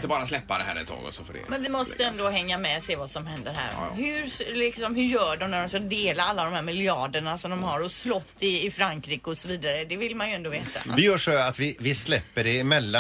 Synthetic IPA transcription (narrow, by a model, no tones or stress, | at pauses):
t̪əbɑːɾaslɛpːad̪ɛɦæ̰ɾɛ̰t̪ʰːɑ̰ːɡɔ̰sɔfoɖɛ̰mɛnvɪmɔst̪əɛnd̪ɔɦɛŋːamɛseːvasɔmɦɛnd̪əɾɦæ̰ːɾhʉɾlɪksɔmhɵɾjœːɖɔmnæɖɔmskad̪eːlaalːaːd̪ɔmhæːɾmɪljɑːɖəɳasɔmd̪ɔmɦaɾɔslɔt̪ːɪːfɾaŋkɾiːkəɔsɔviːd̪aɾəd̪ɛvɪlmanjɵɛnd̪oːveːt̪ʰa̰vɪjœːʂɔat̪vɪvɪslɛpːəɖɛɪmɛlːa